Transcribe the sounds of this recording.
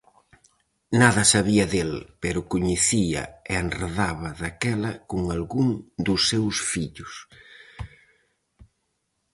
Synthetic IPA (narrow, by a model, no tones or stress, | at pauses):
naðɐsaβiɐðelpɛɾʊkʊɲeθiɐ̰ɪenreðaβɐðakɛlɐkʊŋalɣuŋd̪ʊsːewsfiʎʊs